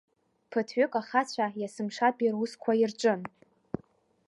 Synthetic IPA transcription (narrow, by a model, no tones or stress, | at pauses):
pʰɨtʰɥʏkʼaχat͡ɕʷʰajasɨmʂapʼiruskʷʰairʈ͡ʂʷʼɨn